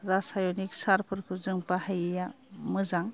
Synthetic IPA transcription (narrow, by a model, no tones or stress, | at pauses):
ɾasajonik̚saɾpʰɯɾkʰuzɯŋpahajeja | mɯzaŋ